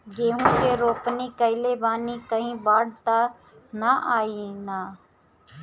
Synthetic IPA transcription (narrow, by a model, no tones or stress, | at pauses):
ɡeːɦũːkeːɾoːpniːkəɪleːbaːniːkəɦĩːbaːɽt̪aː | naʔaːiːnaː